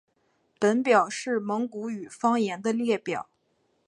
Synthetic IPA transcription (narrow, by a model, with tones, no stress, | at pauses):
pə˧˥npjɑ˨˩ʊʂɻ̩˥˩mɤ˧˥ŋku˧˥y˨˩fɑ˥ŋjɛ˧˥nd̪ə˧ljɛ˥˩pjɑ̰˨˩˦ʊ